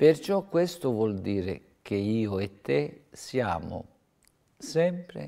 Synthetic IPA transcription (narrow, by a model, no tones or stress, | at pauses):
pert͡ʃɔkːwest̪ʊvwɔld̪iːɾɪ̰ | k̟eiːʊet̪ːesia̰ːmʊ̰ | sɛmpɾḛ